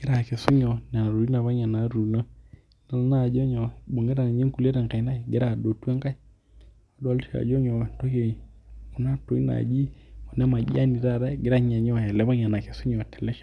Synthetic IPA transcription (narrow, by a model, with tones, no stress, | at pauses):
ɡ̥ɪ˦ɾa˨ke˨sʊ˦ɲɔ˨n˨a˨ɾu˨i˦na˨βa˦ɲa˨na˨˦ɾu˨na˦ | na˨lna˦˨d͡ʒɔ˦ɲɔ˨ɓo˨ŋɡɛ˦ɾa˨n˨ɲe˦ŋ˦ku˨le˦ɾɛ˨ŋka˨i˦na˦i˨ɡɪ˦ɾa˦˨do˨twɛ˦ŋka˦i˦ | a˦da˨˦lʃa̰˨d͡ʒɔ˦ɲɔ˨to˦ke˨ku˨na˦to˨i˦na̰˨d͡ʒi˦u˨nɛ˦ma˨d͡ʒḭ˦a˦ni˨ɾa˦˨ɾa˦ɡɪ˦ɾa˦ɲa˨ɲɔ˦˨ja˨lɛ˨˦ba˦ɲa˨na˨ke˨sʊ˦ɲɔ˨tɛ˨lɛ˦ʃ